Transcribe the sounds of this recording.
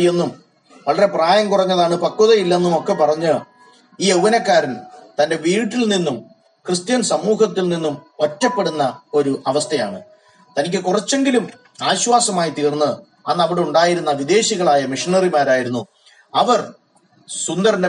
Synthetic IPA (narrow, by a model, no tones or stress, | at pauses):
je̞nːum | ʋɐɭɐre̞praːjɐmkurɐɲːɐðaːɳɨpɐkːuðɐjilːɐenːumo̞kːe̞pɐrɐɲːɨ | iːewʋɐnɐkːaːɾɐmt̪ɐnde̞ʋiːʈːilninːum | krɨst̪jɐnsɐmuːɦɐt̪ːilninːumpɐtːɐpːe̞ɽunːɐo̞ɾuʔɐʋɐst̪ʰɐja̰ːɳɨ̰ | t̪ɐnikʲːɨkurɐt͡ɕːe̞ŋɡilum | aːɕwaːsɐmaːjit̪iːrnːɨ | ɐnːɐʋiɽeuɳɖaːjiɾunːɐʋid̪e̞ːɕiɣɐɭaːjɐmiʂinɐrimaːɾaːjiɾunːu | ɐʋɐr | sund̪ɐrɐnde